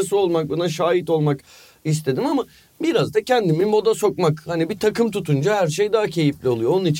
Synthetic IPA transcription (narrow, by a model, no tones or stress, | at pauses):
asɯo̞lˠmak̚bonaʃaːɦit̪o̞lˠmak | ist̪ʰe̞d̪imama | biɾazd̪acʰɛnd̪imibo̞d̪aso̞k̚makhanibit̪ʰakʰɯmt̪ʰut̪ʰund͡ʒahæɾʃejd̪aːcʰe̞jiflʲiolˠujoonunit͡ʃʰ